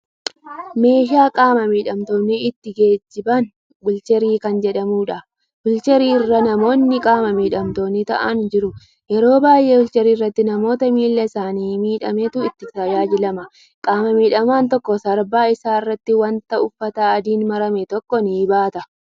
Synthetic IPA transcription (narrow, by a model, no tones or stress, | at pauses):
me̞ːʃ̬aːkʼaːmɐmiːᶑɐmt̪oːnːɪɪt̪ːɪɡe̞ːd͡ʒːɪbɐn | bʊlt͡ʃɛɾiːkɐnd͡ʒɛᶑɐmuːᶑɐ | bʊlt͡ʃɛɾiːɪrːɐnɐmo̞ːnːɪkʼaːmɐmiːᶑɐmt̪o̞ːnːɪt̪ɐʔɐnd͡ʒɪɾʊ | jɛɾo̞ːbaːjʔeːʊlt͡ʃɛɾiːrːɐt̪ːɪnɐmo̞ːt̪ɐmiːlːɛɪsaːniːmiːᶑɐmet̪ʊɪt̪ːɪt̪ɐjaːd͡ʒɪlɐmɐ | kʼaːmɐmiːᶑɐmaːnt̪ɔkːɔsɐɾbaːɪsaːɪrːɐt̪ːɪwɐnt̪ɐʊfːɐt̪ɐːd̪iːnmɐɾɐmɛt̪ɔkːɔnɪːbaːt̪ɐ